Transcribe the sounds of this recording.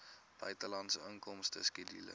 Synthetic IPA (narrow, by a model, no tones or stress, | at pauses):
b̥œɥtəlɐntsəəŋkɔmstəskidḭlə̰